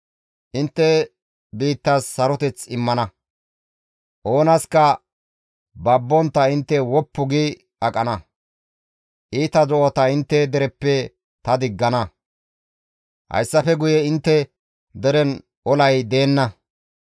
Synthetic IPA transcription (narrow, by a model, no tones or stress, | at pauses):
ʔɪnt̪ːɛ | biːt̪ːasːɐɾɔt̪ɛt͡sɪmːɐnɐ | ʔo̞ːnɐskɐ | bɐbːɔnt̪ːɐɪnt̪ːɛwɔpːʊɡɪ | ɐkʼɐnɐ | ʔiːt̪ɐdɔʔot̪ɐɪnt̪ːɛd̪ɛɾɛpːɛ | t̪ɐd̪ɪɡːɐnɐ | hɐ̰jsːɐfɛɡʊjɛɪnt̪ːɛ | d̪ɛɾɛn | ʔɔlɐjd̪e̞ːnːɐ